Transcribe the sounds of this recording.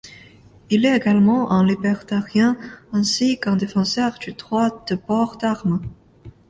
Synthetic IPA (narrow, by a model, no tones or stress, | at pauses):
ilɛeɡalmɑ̃ʔɛ̃libɛʁt̪aʁjɛ̃ɛ̃sikɛ̃d̪efɑ̃sœʁd̪yd̪ʁwad̪̥əbɔʁd̪aʁmə